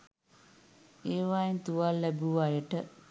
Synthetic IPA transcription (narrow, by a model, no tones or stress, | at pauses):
eːʋajint̪uʋalːæbuʋajəʈə